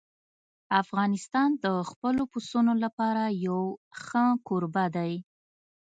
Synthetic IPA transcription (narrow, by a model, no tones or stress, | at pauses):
afɣɑnɪst̪ɑnd̪əxpəlopusunolapɑɾajawxəkoɾbad̪aj